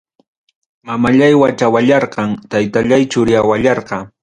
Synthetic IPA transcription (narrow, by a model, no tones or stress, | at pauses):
mamaʎajwat͡ʃawaʎɑɾqɑŋt̪ajt̪aʎajt͡ʃʊɾɪjawaʎɑɾqɑ